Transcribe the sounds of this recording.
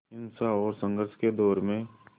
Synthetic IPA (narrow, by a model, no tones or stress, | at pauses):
ɪnsaɔːɾsə̃ŋɡəɾʃked̪ɔːɾmẽ